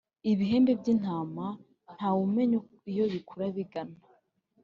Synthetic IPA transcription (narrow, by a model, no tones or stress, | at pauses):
iβiɦe̞ːmbe̞bɟin̥haːma | n̥hawume̞ɲo | ijoβikʰuɾaβiɡana